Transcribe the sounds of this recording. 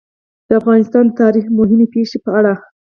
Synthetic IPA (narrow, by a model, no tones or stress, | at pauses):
d̪̥əafɣɑnɪst̪ɑnd̪ət̪ɑɾixmʊɦɪmepeʃepəaɽa